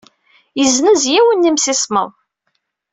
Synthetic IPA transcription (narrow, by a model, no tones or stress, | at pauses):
jəznəzjæwənːimsɪsmə̰ðˤ